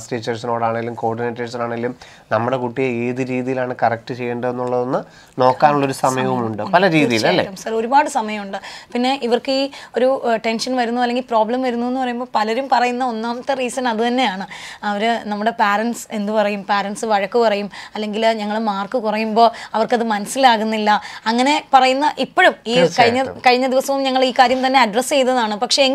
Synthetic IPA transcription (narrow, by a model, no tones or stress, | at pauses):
sʈeːt͡ɕːɐrsino̞ːɽaːɳeilːumko̞ːrɖineːʈːɐrsinaːɳɐilːum | nɐmːuɽe̞kuʈːijeeːðiɾiːðijilaːɳɨkɐrɐk̚ʈɨt͡ɕe̞jːuɳɖɐðe̞nːuɭːɐðenːɨ | no̞ːkːaːnuɭːɐoɾusɐmɐjɐʋumuɳɖɨpɐlɐɾiːðijilɐlːeɐmsɐro̞ɾubaːɽɨsɐmɐjɐmuɳɖɨpinːe̞ʔiʋɐrkɨiːo̞ɾuʈe̞nʂɐnʋɐɾunːuɐlːe̞ŋɡilpro̞ːblɐmʋɐɾunːue̞nːupɐrɐjumbo̞ːpɐlɐɾumpɐrɐjunːɐo̞nːaːmɐt̪ːeriːsɐnɐðɨt̪ɐnːe̞jaːɳɨɐʋɐɾɨnɐmːuɽe̞paːɾɐnse̞nd̪upɐrɐjumpaːɾɐɳsɨʋɐɻɐkːupɐrɐjumɐlːe̞ŋɡilɲɐŋːɐɭmaːrkɨkurɐjumbo̞ːɐʋɐrkɐðɨmɐnɐsːilaːɣunːilːɐɐŋːɐne̞pɐrɐjunːɐʔipːoɻumiːkɐɻiɲːɐkɐɻiɲːɐd̪iʋɐsɐʋumɲɐŋːɐɭiːkaːɾjɐmt̪ɐnːe̞ɐɖrɐst͡ɕe̞jt̪ːɐðaːɳɨpɐkʂe̞ŋ